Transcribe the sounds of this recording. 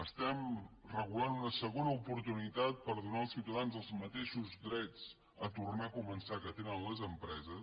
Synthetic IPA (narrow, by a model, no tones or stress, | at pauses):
əst̪ɛmrəɣulanunəsəɣonəupuɾt̪unit̪at̪̚pəɾðunaəlˠsiwt̪əðanzəlˠzmət̪eʃuzðɾɛd͡z | ət̪urnakumənsakət̪enənləzəmpɾɛzə